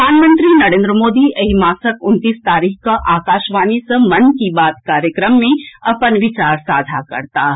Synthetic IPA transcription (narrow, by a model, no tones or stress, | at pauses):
aːnmə̃nt̪ɾinɐɾẽːnd̪ɾəmoːd̪iʔɐɦimaːsəkʊnt̪iːst̪aːɾiːkkɐʔaːkaːʃʋaːnisɐmɐnkibaːt̪kaːɾjəkɾəmːẽɐpənʋɪt͡ʃaːɾsaːd̪ʱakɐ̰ɾt̪aː